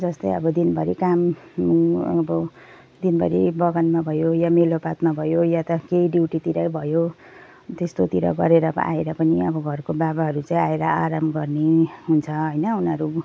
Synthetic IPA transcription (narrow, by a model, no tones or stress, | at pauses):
d͡zʌst̪ʌjʌ̰bʌd̪inbʱʌɾikam | bʌ | d̪inbʱʌɾḭbʌɡʌnmabʱʌjojamelopat̪mabʱʌjojat̪ʌkejɖiwʈit̪iɾʌbʱʌjo | t̪est̪ot̪iɾʌ̰ɡʌ̰ɾeɾʌa̰eɾʌpʌniʌbʌɡʱʌrkobabaɦʌɾut͡sãĩaeɾʌaɾamɡʌrneɦunt͡sʰʌɦʌjnʌunʌɾu